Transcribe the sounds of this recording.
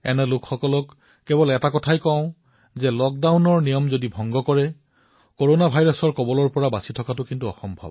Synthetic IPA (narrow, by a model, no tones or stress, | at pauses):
ɛnɛlʊkxɔkɔlɔkː | ebɔlɛtakɔtʰajkɔ̃ʊ̃ | zɛlɔk̚dawnɔɹnijɔmzodibʱɔŋɡɔkɔɹɛ | koɹonabʱajɹɔsɔɹkɔbɔlɔɹpɔɹabasitʰɔkatʊkintuɔ̰xɔmbʱɔ̰b